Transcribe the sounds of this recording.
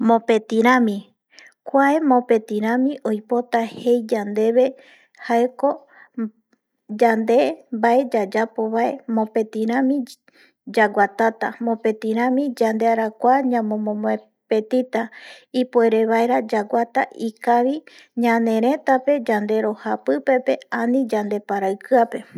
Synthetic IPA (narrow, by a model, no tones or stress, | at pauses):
mõ̞pe̞t̪iɾ̃ãmĩ | kʷae̞mõ̞pe̞t̪ĩɾ̃ãmĩʔojpo̞t̪ahe̞jd͡ʒand̪e̞βe̞ | haeko̞ | d͡ʒand̪e̞mbae̞d͡ʒad͡ʒapo̞βae̞mõ̞pe̞t̪ĩɾ̃ãmĩ | d͡ʒaɡʷat̪at̪amõ̞pe̞t̪ĩɾ̃ãmĩd͡ʒand̪e̞aɾakʷaɲãmõmõmõe | pe̞t̪it̪aipoe̞ɾe̞βaeɾad͡ʒaɡʷat̪a̰ʔikaβi | ɲãnẽ̞ɾẽ̞t̪ape̞d͡ʒand̪e̞ɾo̞hapɨpe̞pe̞anĩd͡ʒand̪e̞paɾaɨkɨape̞